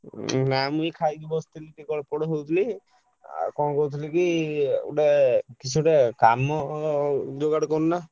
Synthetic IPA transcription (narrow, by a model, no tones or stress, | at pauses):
namũjkʰajd̪ibɔst̪ilikikɔɽpɔɽɔɦowt̪ʰilḭ | kɔñkɔt̪ʰilikiṵʈekit͡ʃʰuʈekamɔ | d͡ʒoɡaɽkɔnuna